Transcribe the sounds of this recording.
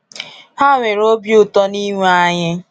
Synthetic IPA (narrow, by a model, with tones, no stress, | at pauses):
ha˦ŋʷe˨ɾo˦bju˨tɔ˦ni˦ŋʷu˦a˦ɲɪ˦